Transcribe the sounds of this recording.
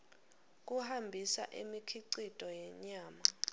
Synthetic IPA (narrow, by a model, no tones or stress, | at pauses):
k̬ʼuhambʱisa̰ʔḭmikʰiǀitʼɔjɛɲaːma